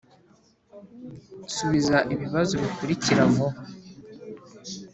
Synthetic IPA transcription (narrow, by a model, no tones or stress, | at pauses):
suβizaʔiβiβazo̞βikuɾiciɾamo